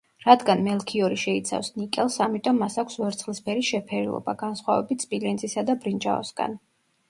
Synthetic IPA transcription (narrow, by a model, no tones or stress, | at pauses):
ɾad̪ɡanmɛlˠkʰiɔɾiʃɛit̪sʰa̰fsnikʼɛlˠsamit̪ʼɔmːasakʷʰsvɛɾt̪sχlispʰɛɾiʃɛpʰɛɾilˠɔ̰ba̰ɡansχwavɛbit̪ʰspʼilɛnzʼisad̪abɾind͡ʒa̰ɔ̰sɡa̰n